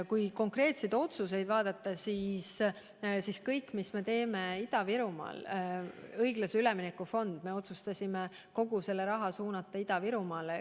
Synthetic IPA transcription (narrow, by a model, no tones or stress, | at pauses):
kujko̞ŋkre̞ːt̪se̞jd̪o̞t̪sus̬e̞jd̪̥vɑːd̪̥ɑt̪ˑːɑsis | siskɤjkːˑmisme̞t̪e̞ːme̞id̪̥ɑviɾumɑ̰ːl | ɤjɡ̥lɑseyleminekːˑufo̞nd̪̥me̞o̞t̪sust̪ɑsʲime | ko̞ɡuse̞lːe̞ɾɑɦɑsuːnɑt̪ˑːɑid̪̥ɑviɾumɑːle